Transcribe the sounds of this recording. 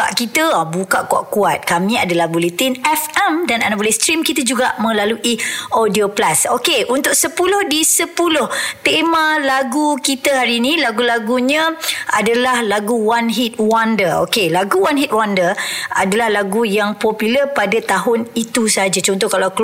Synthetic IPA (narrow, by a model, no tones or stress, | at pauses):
a̰ʔkit̪əabukaʔkua̰ʔkuat̪̚kamĩadalaɡulət̪ɪnɛfɛmdana̰nabolast̪ɾimkit̪əd͡ʒuɡaʔmə̃laluʔiodioplasokeʔunt̪ʊk̚səpulʊhdisəpulʊht̪emãlaɡukit̪əɦaɾinĩlaɡulaɡuɲə̃adalahlaɡuwanɦit̪̚wandəo̰kelaɡuwanɦit̪̚wandəra̰dalahlaɡujaŋpopilərpadat̪aɦʊnit̪usəɦad͡ʒat͡ʃɔnt̪̬ɔhkalak